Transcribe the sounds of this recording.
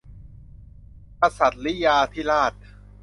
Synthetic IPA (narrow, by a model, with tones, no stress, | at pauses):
ka˧sa˨˩t̪̚li˦˥jaː˧t̪ʰiː˥˩laː˥˩t̪̚